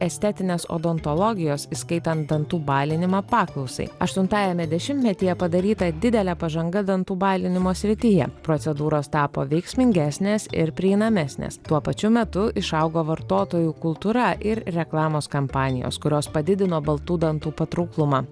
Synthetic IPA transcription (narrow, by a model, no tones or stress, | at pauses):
ɛsʲt̪ʲɛt̪ʲɪnʲeːso̰ːd̪ɔnt̪ɔlˠɔɡʲɪjoːsiskɐɪt̪ɐnt̪d̪ɐnt̪uːbɑːlʲɪnʲɪmɑːpɑːklˠɐʊsɐ̰ɪɐʃt̪ʊnt̪ɑːjɛmʲɛd̪ʲɛʃʲɪmʲt̪ʲmʲɛt̪ʲɪjɛpɐd̪ɐɾʲiːt̪ɐd̪ʲɪd̪ʲɛlʲæːpɐʒɐŋɡɐd̪ɐnt̪uːbɑːlʲɪnʲɪmoːsʲɾʲɪt̪ʲɪjɛpɾot̪sʲɛd̪uːɾoːst̪ɑːpo̰ːʋʲɛɪksʲmʲɪŋʲɡʲæːsʲnʲeːsɪ̰ɾpʲɾʲɪiːnɐmʲæsʲnʲḛːst̪uɔpɐt͡ʃʲʊmʲɛt̪ʊʔɪʃɐʊɡoːʋɐɾt̪oːt̪oːjuːkʊlˠt̪uːɾɐʔɪɾɾʲɛklˠɑːmoːskɐmpɑːnʲɪ̰jo̰ːskʊɾʲoːspɐd̪ʲɪd̪ʲɪnoːbɐlˠt̪uːd̪ɐnt̪uːpɐt̪ɾʊːklˠʊmɑː